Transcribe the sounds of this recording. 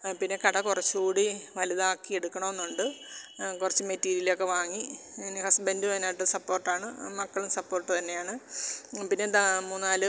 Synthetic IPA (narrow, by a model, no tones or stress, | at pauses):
pinːe̞kɐɽɐkurɐt͡ɕːukuːɽiʋɐliðaːkːieɽukːɐɳoenːuɳɖɨkurɐt͡ɕːumetːiːɾijilokːe̞ʋaːŋːinhɐsbendumɐnːaːjʈːɨsɐpːo̞ːrʈːaːɳɨmɐkːɐɭumsɐpːo̞ːrʈːɨt̪ɐnːe̞jaːɳɨ | pinːe̞amuːnːnaːlɨ